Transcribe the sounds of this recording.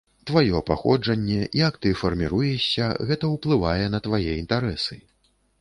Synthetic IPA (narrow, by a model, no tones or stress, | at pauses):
t̪vajɔpaxɔd͡ʐɐnʲːɛʔijɐkt̪ɨfɐrmʲiɾujɛɕʲɐɣɛt̪ɐwplˠɨvajɛnɐt̪vajɛint̪aɾɛsɨ